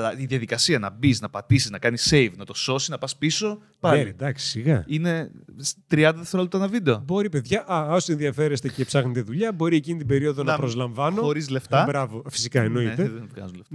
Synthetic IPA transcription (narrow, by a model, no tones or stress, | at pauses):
lɐiðjɐðikɐsiɐnɐbiznɐpɐt̪isiznɐkɐnisejvnɐt̪o̞so̞sinɐpɐspiso̞ | pɐld̪ɐksi̥siɣɐ̰ine̞ | t̪ɾiɐnd̪ɐðeθɾolt̪ɐnɐvid̪eobo̞ɾipe̞ðʝɐʔɐose̞nðiɐfe̞ɾest̪e̞cepsɐxnet̪e̞ðuʎɐbo̞ɾiecinit̪ibe̞ɾio̞ðonɐpɾo̞zlɐɱvɐnno̞oɾizle̞ft̪ɐbɾɐvo̞fi̥sikɐeno̞it̪eðenvɣɐ̰zuleft̪